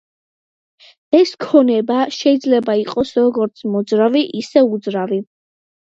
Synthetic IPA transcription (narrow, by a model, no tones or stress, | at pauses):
ɛskʰɔnɛbaʃɛid̪zlɛbaiqʼɔsɾɔɡɔɾt̪sʰmɔd̪zɾaviʔisɛud̪zɾavi